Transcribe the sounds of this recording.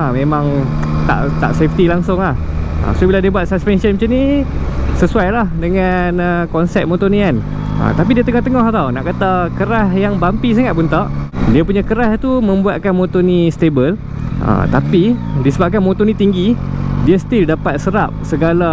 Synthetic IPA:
amẽmãŋ | t̪a̰ʔt̪a̰ʔseft̪ilaŋsʊŋlah | ə̰sobiladiəbuat̪̚saspɛnsənmət͡ʃəni | səsuajlahdəŋanəkɔnsɛt̪̚mot̪onian | a̰t̪ap̬idiat̪əŋɔht̪əŋɔhat̪awnaʔkat̪akəɾahjaŋbampis̬aŋaʔ̪̚punt̪aʔdiapuɲakəɾaht̪umə̃mbuat̪̚kanmot̪onist̪ebəl | ʔə̰t̪apidisəbap̚kanmot̪onĩt̪iŋɡidiast̪ildapat̪̚səɾap̚səɡala

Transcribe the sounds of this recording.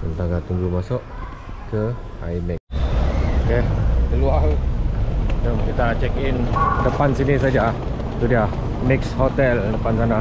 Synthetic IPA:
ənt̪aŋɡat̪uŋɡumasɔʔ | kə | a̰jmɛk̚ | okekəlual | tomkit̪at͡ʃɛkindəpansinisad͡ʒa | t̪odia | mɪkshot̪ɛldəpansana

